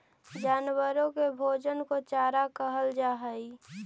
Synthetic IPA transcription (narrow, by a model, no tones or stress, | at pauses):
d͡ʒaːnwəɾõkebʱoːd͡ʒənkot͡ʃaːɾakəɦəld͡ʒaɦəi